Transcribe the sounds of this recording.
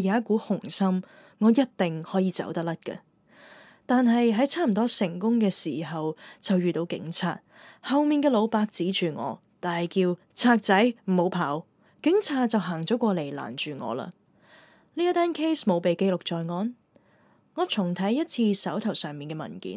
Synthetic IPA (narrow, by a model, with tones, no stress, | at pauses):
jaː˨˦ɐ˥t̚kuː˨˥hʊ˨˩ŋsɐ˥m | ŋɔː˨˧jɐ˥t̚t̪ɪ˨ŋhɔː˨˥jiː˨˧t͡sɐ̰˨˥wt̪ɐ˥lɐ˥t̚kɐ̰˧ | t̪aː˨˧nɦɐ˨jɦɐ˨˥jt͡sʰaː˥m̩˨˩t̪ɔː˥sɪ˨˩ŋkʊ˥ŋkɛː˧siː˨˩ɦɐ˨wt͡sɐ˨wjyː˨t̪o˨˥wkɪ̰˨˥ŋt͡sʰa̰ː˧t̚ | hɐ˨˧wmiː˨nkɛː˧lo˨˧wpaː˧k̚t͡siː˨˥t͡ʃyː˨˩ŋɔ̰ː˨˧t̪aː˨˩nhɐ˨˩jkiː˧w | t͡sʰaː˧k̚t͡sɐ˨˥jm̩˨˩ho˨˧wpʰaː˨˥w | kɪ˨˥ŋt͡sʰaː˧t̚t͡sɐ˨wɦaː˨˩ŋt͡sɔː˨˥kʷɔː˧le˨˩jla̰ː˨˩nt͡ʃyː˨˩ŋɔ̰ː˨˧la̰ː˧ | liː˥jɐ˥t̪aː˥nkʰe˥jsmo˨˧wpe˨jke˧jlʊ˨k̚t͡sɔː˨˧jŋɔː˨˧n | ŋɔː˨˧t͡sʰʊ˨˩ŋt̪ʰɐ˨˥jːɐ˥t̚t͡sʰiː˧sɐ˨˥wt̪ʰɐ˨˩wsœː˨ŋmiː˨nkɛ˧mɐ̰˨˩nkḭː˨˥n